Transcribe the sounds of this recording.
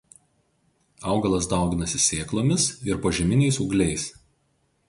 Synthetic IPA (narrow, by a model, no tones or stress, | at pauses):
ɐˑʊɡɐlˠɐs̬d̪ɐˑʊɡʲɪnɐsʲɪsʲeːklˠoːmʲɪsɪɾpoːʒʲɛmʲɪnʲɛɪsʊɡlʲɛɪs